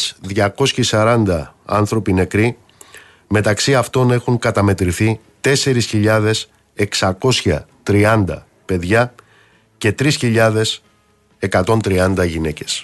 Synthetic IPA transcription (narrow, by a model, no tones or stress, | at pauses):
sðʝɐko̞sçisɐɾɐnd̪ɐɐ̰nθɾo̞pine̞kɾi | me̞t̪ɐksiɐft̪o̞ne̞xuŋkɐt̪ɐme̞t̪ɾiθi | t̪e̞se̞ɾisçiʎɐðe̞s | e̞ksɐko̞sçɐt̪ɾiɐnd̪ɐ̰ | pe̞ðʝɐ | ce̞t̪ɾisçiʎɐðe̞s | e̞kɐt̪o̞nt̪ɾiɐnd̪ɐʝine̞ce̞̥s